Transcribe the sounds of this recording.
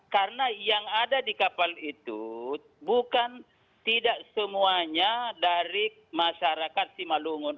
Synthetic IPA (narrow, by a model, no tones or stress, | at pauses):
kaɾənajaŋadadikapalit̪ṵ | bukan | t̪idaʔsəmuaɲadaɾi | maʃaɾakat̪̚simaluŋʊn